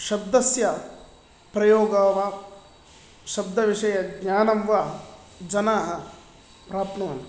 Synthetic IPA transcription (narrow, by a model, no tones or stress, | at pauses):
ʃɐb̚d̪ɐsjɐ | pɾɐjoːɡaːʋɐ | ʃɐb̚d̪ʱɐʋiʂɐjɐɡɲaːnɐmʋɐ | d͡ʒɐnaːɦɐ | pɾaːpnɐːn